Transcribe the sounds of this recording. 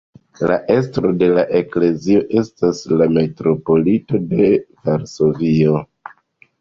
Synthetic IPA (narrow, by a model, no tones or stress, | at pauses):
la̰ʔe̞stɾo̞de̞laʔe̞kle̞zio̞ʔe̞staslame̞tɾo̞po̞lito̞de̞vaɾso̞vio̞